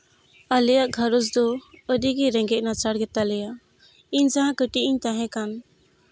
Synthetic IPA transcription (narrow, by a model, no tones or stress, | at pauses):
alɛjaʔɡʱaɾɔs̬d̪ɔədiɡiɾɛ̃ŋɡɛc̚nat͡ʃaɽɡɛt̪alɛja | iɲd͡ʒaɦãkəʈiʔiɲt̪aɦɛ̃kan